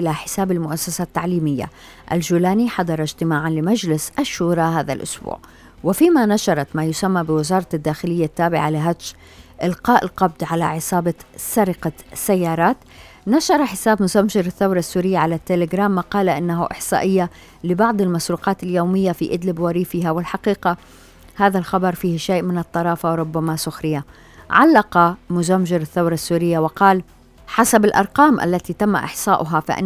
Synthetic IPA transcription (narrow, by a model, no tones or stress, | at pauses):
ɪlaħɪ̥saːbalmʊʔasːasat̪ːaʕliːmɪjːa̰ | ʔa̰ld͡ʒuːlaːniħɑd̪ˤɑɾˤɑd͡ʒt̪ɪmaːʕanlɪmad͡ʒlɪsʔaʃːuːɾˤɑɦaːða̰lʔʊ̰sbṵːʕ | wɪfiːmanaʃɑɾˤɑt̪majʊsamːabɪwɪzɑːɾˤɑd̪ːaːxɪlɪjːat̪ːaːbɪʕalɪɦat̪ʃ | ʔɪlqɑːʔɪlqɑb̚d̪ʕala̰ʕɪsˤɑːbɑsaɾɪqasajːɑːɾˤɑːt̪ | naʃɑɾˤɑħɪsaːbmʊzamʒɪɾɪθːawɾˤɑsːuːɾɪjːaʕalat̪ːelɪɡɾaːmːqɑːlaʔɪnːaɦa̰ʔɪħsˤɑ̰ːʔɪjːa | lɪbɑʕd̪ˤɪlmasɾuːqɑːt̪ɪljoːmɪjːafiʔɪd̪lɪbwɑɾiːfɪɦawɪlħaqiːqa | haːðalxɑbɑɾˤfiːhʃeːʔmɪnɨt̪ˤːɑɾˤɑːfawɾˤʊbːamasʊxɾɪja | ʕalːɑqɑmʊzamʒɪɾɪθːawɾˤɑsːuːɾɪjːawɪqɑːl | ħasabɪlʔɑ̰ɾˤqɑːmʔa̰lːat̪it̪amːa̰ʔɪ̰ħsˤɑːʔʊɦafa̰ʔ